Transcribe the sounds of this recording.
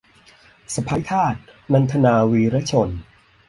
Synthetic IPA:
sa˧˩pʰa˨˦˥jt̪ʰaː˥˩t̪̚na˧nt̪ʰa˧naː˧wiː˧ɾa˦˥t͡ɕʰo˧n

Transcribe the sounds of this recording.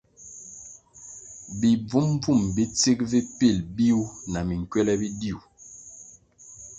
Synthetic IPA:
bi˨b͡vu˦m˦b͡vu˦˨mbi˦t͡si˦k̚vi˦pi˦˨lbi˦u˦na˨mi˨ŋ˨kwɛ˦lɛ˦bi˦di˦˨u˨

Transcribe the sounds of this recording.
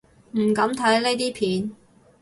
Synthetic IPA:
m̩˨˩kɐ˨˥mt̪ʰɐ˨˥jle˥jt̪̬iː˥pʰiː˨˥n

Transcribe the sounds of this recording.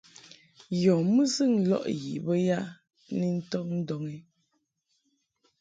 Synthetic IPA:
jɔ˨mɨ˦sɨ˦˨ŋ̩˦lɔ̰˦ʔjḭ˨bə˦ja˦˨ | ni˦n̩˦tɔ˦n̩˦dɔ˨ŋɛ˦

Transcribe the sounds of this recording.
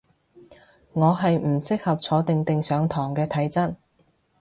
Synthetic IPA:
ŋɔː˨˧ɦɐ˨jm̩˨˩sɪ˥k̚hɐ˨p̚t͡sʰɔː˨˧t̪ɪ˨ŋt̪ɪ˨ŋsœː˨˧ŋt̪ʰɔː˨˩ŋkɛː˧t̪ʰɐ˨˥jt͡sɐ˥n̚

